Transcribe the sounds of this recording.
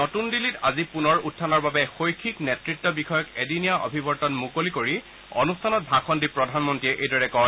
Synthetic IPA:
nɔtundilitazipunɔɹutʰːanɔɹbabɛxojkʰiknetɹitːɔbixʰɔjɔkediniaʔo̰bʱibɔɹtɔnmukolikoɹi | ɔ̰nustʰanɔt̚bʱaxʰɔndipɹɔdʱanmɔntiɛʔejdɔɹɛkɔ

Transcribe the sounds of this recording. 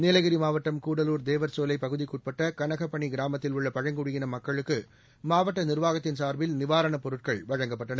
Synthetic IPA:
neːlɐɣɪɾimaːʋɐʈːɐmkuːɽɐluːɾd̪eːʋɐɾsoːlɐɪpːɐɣɯðikːuːʈ̚pɐʈːɐkɐɳɐɣɐpːɐɳiɡɪɾaːmɐt̪ːɪlʊɭːɐpɐɻɐŋɡʊɽɪɣɪnɐmɐkːɐɭɯkːɯ | maːʋɐʈːɐnɪɾʋaːɣɐt̪ːɪnsaːɾʋɪlnɪʋaːɾɐɳɐpɔɾɯʈ̚kɐɭʋɐɻɐŋɡɐpːɐʈːɐnɐ

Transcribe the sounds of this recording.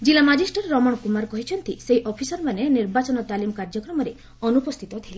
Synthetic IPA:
d͡ʒilamad͡ʒisʈɔɾːɔmɔɳɔkumaɾkɔɦit͡ʃʰɔnt̪iseɦiʔɔpʰisɔɾmaneniɾbat͡ʃɔnɔt̪alimɔkaɾd͡ʒɔkɾɔmɔɾe | ɔnupɔst̪ʰit̪ɔt̪ʰila

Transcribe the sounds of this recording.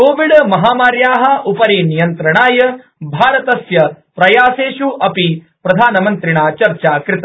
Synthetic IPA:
koːʋiɖmɐɦaːmaːɾjaːɦɐʔupɐɾiːnijɐnt̪ɾɐɳaːjɐ | bʱaːɾɐt̪ɐsjɐ | pɾɐjaːseːʃuʔɐpi | pɾɐd̪ʱaːnɐmɐnt̪ɾiɳaːt͡ʃɐɾt͡ʃaːkɾɪt̪ɐ

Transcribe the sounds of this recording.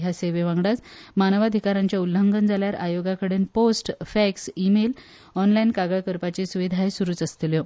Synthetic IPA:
jaseʋeʋãŋɡɽat͡smanəʋad̪ʱikaɾãɲt͡ɕjaulːəŋɡənd͡zʱaljaɾʔajoɡakəɽenposʈfɛksimel | ɔnlajnkaɡəɭkəɾpat͡ɕesuʋid̪ʱaesuɾuːt͡səst̪iljɔ

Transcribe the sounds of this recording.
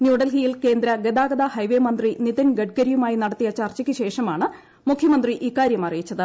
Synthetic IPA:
njuːɽɐlɦijilke̞ːnd̪ɾɐɡe̞d̪aːɡɐd̪ɐhɐjʋeːmɐnd̪riniðɐnɡɐʈ̚kɐɾijumaːjinɐɽɐt̪ːijɐt͡ɕɐrt͡ɕɐkʲːɨɕe̞ːʂɐmaːɳɨ | mukʰjɐmɐnd̪riʔiːkːaːɾjɐmɐrijit͡ɕːɐðɨ

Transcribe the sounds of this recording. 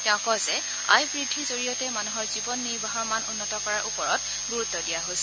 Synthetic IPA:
tɛʊ̃kɔzɛ | a̰jbɹidʱizoɹijɔtɛmanuɦɔɹzibɔnːiɹbaɦɔɹmanunːɔtɔkɔɹaɹʔupɔɹɔt | ɡuɹut̪ːɔdijaɦojsɛ

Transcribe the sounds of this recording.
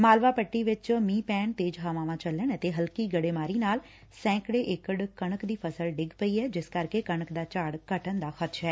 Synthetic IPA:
maːlʋaːpəʈːiːʋɪt͡ʃmĩːpɛːɳt̪eːd͡ʒɦaːʋãːʋãːt͡ʃələɳɛt̪eɦəlkiːɡəɽeːmaːɾiːnaːl | sɛ̃ːkɽeʔeːkəɽkəɽ̃əkd̪iːpʰəsəlɖɪɡpəiːɦɛːd͡ʒɪskəɾkekəɳəkd̪aːt͡ʃaːɽkəʈənd̪aːxət̪ʃʰɦɛː

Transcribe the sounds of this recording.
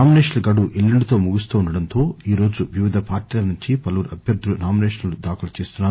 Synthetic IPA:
aːmineːʂɐlɡɐɽuʔelːiɳɖt̪o̞ːmuɡust̪uːɳɖɐɽɐnt̪o̞ːiːɾo̞ːd͡ʒuʋiʋid̪ʱɐpaːɾʈiːlɐnuɲt͡ʃipɐlɐʋuɾɐbʱjɐɾd̪ʱulunaːmineːʂɐnɐlud̪aːkɐlɐt͡ʃeːst̪unːaːɾu

